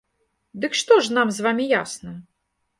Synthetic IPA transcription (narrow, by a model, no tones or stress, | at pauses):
d̪ɨkʂt̪ɔʐnamzvamʲijasnɨm